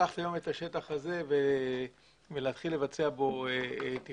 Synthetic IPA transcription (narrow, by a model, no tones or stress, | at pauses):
aχtajo̞me̞t̪aʃe̞t̪aχaze̞ve | veleat̪χilːe̞vat͡se̞abo̞et̪i